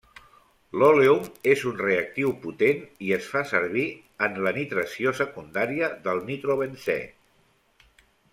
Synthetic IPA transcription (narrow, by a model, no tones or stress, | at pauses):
loleumezunreək̚t̪iwput̪eniəsfasəɾβ̞i | ənlənit̪ɾəsiosəkund̪aɾiəðəlˠnit̪ɾoβənsɛ̰